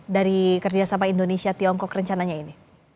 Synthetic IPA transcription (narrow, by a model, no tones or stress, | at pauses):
daɾikərd͡ʒasamaindonesiat̪iɔŋkɔkrəɲt͡ʃanaɲaini